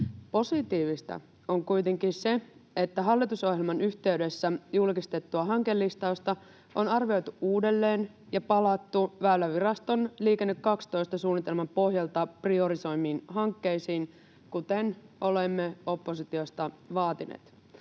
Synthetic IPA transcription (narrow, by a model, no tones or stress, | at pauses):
po̞sit̪iːʋist̪ɑ̰ | o̞ŋkujt̪e̞ŋkise̞e̞t̪ːæɦɑlːit̪uso̞hjelmɑnyçt̪e̞yɥde̞sːæjulkist̪et̪ːuɑɦɑŋke̞lːist̪ɑost̪ɑ | ʔo̞nɑrʋio̞jt̪uuːde̞lːe̞ːn | jɑpɑlɑt̪ːuʋæːlːæʋirɑst̪o̞nliːkenːykːɑkst̪o̞ist̪ɑsuːnːit̪e̞lmɑmpo̞hjɑlt̪ɑprio̞ɾiso̞jmːiːnɦɑŋkːe̞jsiːn | kut̪eno̞lemːeo̞pːosit̪io̞st̪ɑʋɑːt̪inḛːt̪